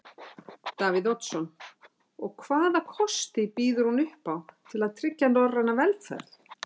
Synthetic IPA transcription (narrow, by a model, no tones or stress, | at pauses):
t̪aːvɪðɔt̪sɔn | ɔɣkʰvaːðakʰɔst̪ɪpiːðʏɾ̥hunʏhpawt̪ʰɪlaðt̪ʰɾɪcːanɔranavɛlt̪fa̰θ